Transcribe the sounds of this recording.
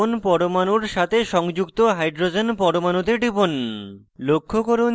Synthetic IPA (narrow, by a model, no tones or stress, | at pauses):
onpɔɽomanuɾʃat̪ʰeʃɔŋd͡ʑukt̪oɦajɖɾod͡ʑenpɔɽomanut̪eɖipon | lokʰːokoɾo